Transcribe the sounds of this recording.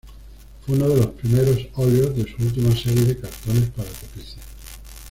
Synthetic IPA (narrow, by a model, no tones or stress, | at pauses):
fweunoðe̞lo̞spɾimeɾo̞soljozðesuult̪̬imaseɾje̞ðekaɾt̪o̞ne̞spaɾak̪opiθa